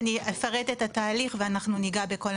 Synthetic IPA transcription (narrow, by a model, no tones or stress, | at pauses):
niefaʁet̪etataːliχveanaχnuniɡabeko̞l